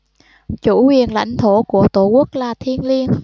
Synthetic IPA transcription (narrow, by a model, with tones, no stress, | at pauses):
t͡ɕu˧˩hwi˨˩ənla̰˧˩jŋ̟t̪ʰo˧˩ku˧˩ət̪o˧˩ku˦˥ək̚laː˨˩t̪ʰi˧ənli˧ən